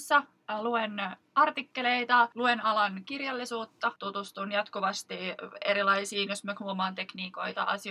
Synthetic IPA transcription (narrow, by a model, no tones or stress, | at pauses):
sːɑ | luenʔɑrt̪ikːe̞le̞jt̪ɑluenɑlɑnkirjɑlːisuːt̪ːɑt̪ut̪ust̪unjɑt̪kuʋɑst̪ieɾilɑjsiːnjosmøkhuomɑːnt̪e̞kniːko̞jt̪ɑ̰ʔɑsi